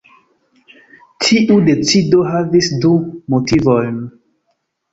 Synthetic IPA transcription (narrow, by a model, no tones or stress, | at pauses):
tʰiʔudet͡sidoɦavisdumotʰivojn